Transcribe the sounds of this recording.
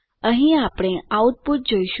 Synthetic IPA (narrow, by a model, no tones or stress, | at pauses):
ə̃ɦĩapɽ̃ẽaut̪̚put̪̚d͡ʒoiʃ